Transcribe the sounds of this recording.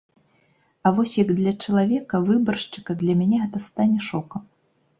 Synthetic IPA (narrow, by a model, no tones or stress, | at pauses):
ɐvɔsʲjɐɡd̪lʲɐt͡ʂɐlˠavʲɛkɐvɨbɐrʂt͡ʂɨ̥kɐd̪lʲɐmʲanʲɛɣɛt̪ɐst̪anʲɛʂɔkɐm